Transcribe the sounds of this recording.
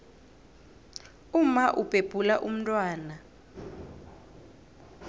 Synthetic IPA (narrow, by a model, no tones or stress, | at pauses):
umaʔupʼeb̥ʱulaʔum̩tʼwaːna